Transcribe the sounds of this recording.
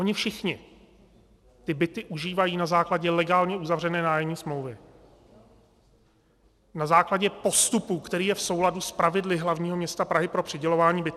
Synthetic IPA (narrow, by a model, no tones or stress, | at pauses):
ʔo̞ɲɪfʃɪxɲɪ | t̪ɪbɪt̪ɪʔuʒiːvajiːnazaːklaɟɛlɛɡaːlɲɛʔuzavrɛnɛːnaːjɛmɲiːsmlowvɪ | nazaːklaɟɛpo̞st̪upukt̪ɛɾiːjɛfso̞wladuspɾavɪdlɪɦlavɲiːɦo̞mɲɛst̪apɾaɦɪpɾo̞pr̥ɪɟɛlo̞vaːɲiːbɪt̪